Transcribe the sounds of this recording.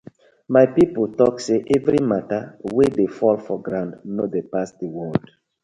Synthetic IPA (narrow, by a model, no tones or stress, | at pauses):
majpipotɔkseʔɛvɹimatawedefɔlfɔɡɹãndnodepasdewɔld